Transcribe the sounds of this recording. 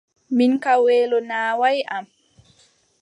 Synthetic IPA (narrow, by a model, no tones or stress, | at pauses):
minkawɛːlɔnaːwajʔam